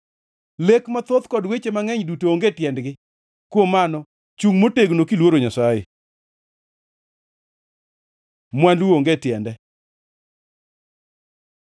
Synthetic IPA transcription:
lekmat̪ot̪kɔdwet͡ʃemaŋɛɲdutooŋɡetjɛndɡɪ | kwomanɔ | t͡ʃuŋmoteɡnokilwoɾoɲasajḛ | mwandwuoŋɡetjɛndɛ

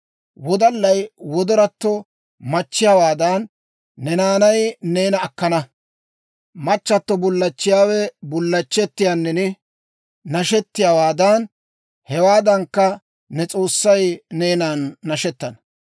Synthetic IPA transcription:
wɔd̪ɐlːɐjwɔd̪ɔɾɐt̪ːɔ | mɐt͡ʃːɪjaːwaːd̪ɐnː | ɛnaːnɐjneːnɐːkːɐnɐ | mɐt͡ʃːɐt̪ːɔbʊlːɐt͡ʃːɪjaːwɛbʊlːɐt͡ʃːɛt̪ːɪjaːnːɛnɛ | nɐʃɛt̪ːɪjaːwaːd̪ɐn | hɛwaːd̪ɐŋkːɐ | nɛt͡sʼo̞ːsːɐjne̞ːnaːnːɐʃɛt̪ːɐnɐ̥

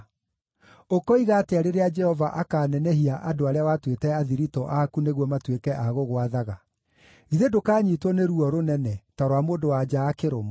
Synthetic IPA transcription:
okɔiɣateaɾeɾead͡ʒɛhɔvaʔakaːnɛnɛɦiaʔadoaɾeawatwetɛaðiɾitɔʔakuneɣwɔmatwekɛʔaɣoɣwaðaɣa | iðedokaːɲiːtwɔneɾuɔɾonɛnɛtaɾowamoːndowad͡ʒaːkeɾomɔ

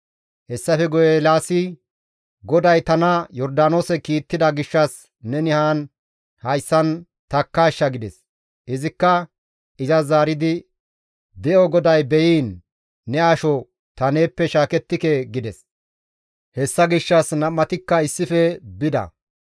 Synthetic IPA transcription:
hɛsːɐfɛɡɔjelaːsɪ | ɡɔd̪ɐjt̪ɐnɐjɔɾd̪aːnoːsɛkiːt̪ːɪd̪ɐɡɪʃːɐs | nɛnɪhaːn | hɐjsːɐn | t̪ɐkːaːʃːɐɡɪd̪ɛs | ʔɪzɪkːɐ | ɪzɐzaːɾɪd̪ɪ | d̪ɛʔɔɡɔd̪ɐjbɛjiːnː | ɛɐʃɔ | t̪ɐne̞ːpːɛʃaːkɛt̪ːɪkeɡɪd̪ɛs | hɛsːɐɡɪʃːɐsnɐmːɐt̪ɪkːɐɪsːɪfɛbɪd̪ɐ̰

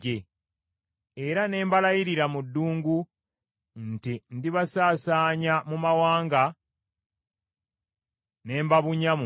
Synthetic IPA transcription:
e | eɾane̞ːmbalajiɾiɾamudːuːŋɡu | ntindiβasaːsaːɲamumawaːŋɡa | ne̞ːmbaβuɲam

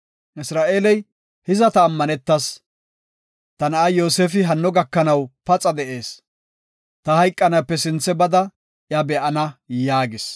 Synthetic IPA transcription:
ʔɪsɾaːʔeːlɛj | hɪzɐt̪ɐːmːɐnɛt̪ːɐs | t̪ɐnɐʔɐjo̞ːsefɪɦɐnːɔɡɐkːɐnɐwpɐt͡sʼɐd̪ɛʔe̞ːs | t̪ɐhɐjkʼːɐnɐpːɛsɪnt͡sːɛbɐd̪ɐ | jɐbɛʔɐnɐjaːɡɪs

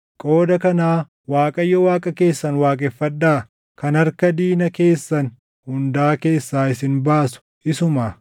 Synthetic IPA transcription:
kʼo̞ːd̪ɐkɐnaː | waːkʼɐjːɔwaːkʼɐke̞ːsːɐnwaːkʼɛfːɐd̪ːaː | kɐnɐɾkɐd̪iːnɐke̞ːsːɐn | hʊnd̪aːke̞ːsːaːɪsɪnbaːsʊ̥ | ɪsʊmɐ

